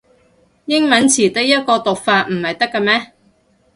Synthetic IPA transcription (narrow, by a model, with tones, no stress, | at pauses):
jɪ˥ŋmɐ˨˥nt͡sʰiː˨˩t̪ɪ˥k̚jɐ˥t̚kɔː˧t̪ʊ˨k̚faː˧t̚m̩˨˩hɐ˨jt̪ɐ˥kːaː˧mɛː˥